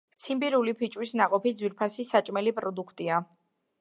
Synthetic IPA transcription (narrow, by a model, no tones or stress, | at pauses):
t̪sʰimbiɾulipʰit͡ʃʼwisnaqʼɔpid̪zwiɾpʰasisat͡ʃʼmɛlipʼɾɔd̪ukʰt̪ʼia